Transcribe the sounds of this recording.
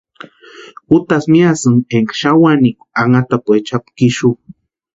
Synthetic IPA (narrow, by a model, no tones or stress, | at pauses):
ut̪asmiasɨŋeŋkḁʃawanikʷaŋat̪apet͡ʃapkiʃu